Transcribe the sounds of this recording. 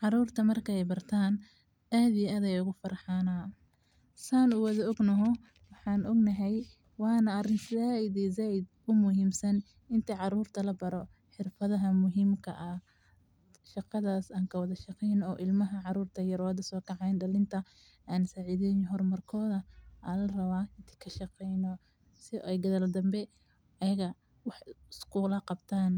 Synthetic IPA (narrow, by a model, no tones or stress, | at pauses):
ʕɑɾuːrt̪ʰɐmɐrkʰɐɛjbɐrt̪ʰaːn | ʔaːd̪ɪjɐɐðɛjʊɣʊfɐrħɑːna | saːnʊwɐðɐɔɡnɐɦɔ | wɑħɑːnʔɔɡnɐɦɛj | wɑːnɐɐrɪnsaːɪðɛzaːɪd̪ | ʊmʊɦiːmsɐn | ɪnt̪ʰiʕɑɾuːrt̪ʰɐlɐbɐɾɔ | ħɪrfɐðɐɦɐmʊɦiːmkʰɐʔɐ | ʃɑqɑðaːsaːŋkʰɐwɑðɐʃɑqɛjnɔːʔɪlmɐɦɐʕɑɾuːrt̪ʰɐjɐɾɔd̪ɐsɔːkʰɑʕɑjnd̪ɐlɪnt̪ʰɐ | aːnsaːʕɪðɛnɦɔrmɐrkʰɔːðɐʔalɐrɐwaːʔɪnt̪ʰi̥kʰɐʃɑqɛjnɔ | sɪʔɛjɡɐðɐld̪ɐmbɛ | ɐjɐɣɐ | wɑħɪskʰuːlɐqɑbt̪ʰaːn